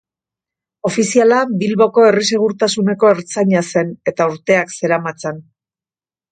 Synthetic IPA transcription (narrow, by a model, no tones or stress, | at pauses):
o̞fisialabilβo̞ko̞e̞ris̬e̞ɣ̞uɾt̪asune̞ko̞eɾt͡saɲase̞ne̞t̪auɾt̪e̞akse̞ɾamat͡se̞n